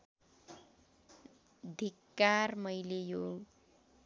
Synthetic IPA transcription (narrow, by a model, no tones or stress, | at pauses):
d̪ʱikːarmʌjlejoɡ